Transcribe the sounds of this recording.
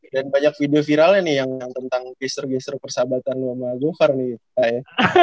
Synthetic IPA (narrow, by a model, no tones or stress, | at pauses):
danbaɲak̚fidiofiɾalɲanɪhjaŋjaŋt̪ənt̪aŋɡɛst̪ərɡɛst̪ɾpərsabat̪anlumaaɡoharnɪɡit̪upaja